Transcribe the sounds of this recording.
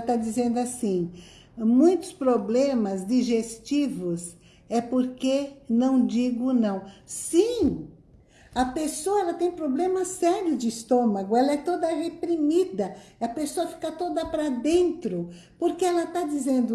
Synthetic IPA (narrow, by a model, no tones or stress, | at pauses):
ɐt̪ad͡ʒizẽnd̪ʊasĩ | mũj̃t̪ʊ̥spɾoblẽmɐzd͡ʒiʒest͡ʃivʊs | ɛpoɾkenɐ̃w̃d͡ʒiɡʊnɐ̃w̃sĩ | ɐpesoɐɛlɐt̪ẽj̃pɾoblẽmɐsɛɾjʊd͡ʒɪist̪õmɐɡʊɛlɐɛt̪od̪ɐhepɾimid̪ɐ | ɐpesoɐfi̥kɐt̪od̪ɐpɾɐd̪ẽnt̪ɾʊ | poɾkeɛlɐt̪ad͡ʒizẽnd̪ʊ